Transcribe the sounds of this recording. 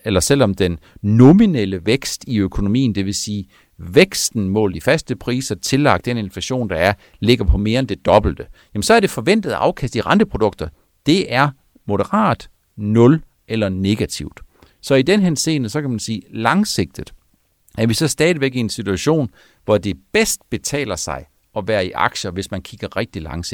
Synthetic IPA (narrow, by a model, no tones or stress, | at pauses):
elɐsel̰ɒ̽md̥enːomineləʋeɡ̥sd̥iøkʰo̝no̝mḭːnd̥e̝ʋe̝siː | ʋeɡ̥sd̥n̩mɔ̰̽ːldˠifæsd̥əpʰʁḭːsɐt͡sʰe̝lɑ̈ɡ̥̚d̥d̥ene̝nflæɕo̝̰ːnd̥ɑ̈æɐ | le̝ɡ̥ɐpʰɒ̽me̝ːɐend̥e̝d̥ɒ̽b̥l̩d̥əjæmensɒ̽æɐɾ̥e̝fɒ̽ʋen̰d̥ð̞̩ˠʔɑ̈ʊkʰæsd̥iʁɑ̈nd̥əpʰʁod̥ɔ̽ɡ̥̚d̥ɐ | d̥e̝ʔæɐ | mo̝ɾəʁɑ̰̈ːd̥ | nɔ̽l | ʔelɐne̝ɡ̥æt͡sʰiʊ̰d̥ | sɒ̽id̥enɦese̝̰ːnəsɒ̽kʰæmænsiːlɑ̈ŋse̝ɡ̥̚d̥ð̩ˠ | æɐʋisɒ̽sd̥ɛːð̞ˠʋeɡ̥ie̝nsit͡sʰuæɕo̝̰ːn | ʋɒd̥e̝b̥esd̥̚b̥e̝t͡sʰɛ̰ːlɐsɑ̈ɪ | ɒ̽ʋæːɐiʔɑ̈ɡ̥ɕɐʋe̝smænkʰiɡ̥ɐʁɛɡ̥̚d̥ilɑ̈ŋs